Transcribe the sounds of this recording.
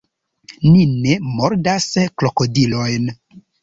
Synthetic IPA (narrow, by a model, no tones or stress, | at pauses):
nine̞mo̞ɾdasklo̞kodilo̞jn